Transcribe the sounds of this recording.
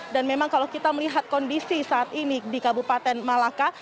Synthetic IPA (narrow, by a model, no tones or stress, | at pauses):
danmemaŋkalawkit̪aməliɦat̪̚kɔndisisaːt̪inidikabupat̪ɛnmalaka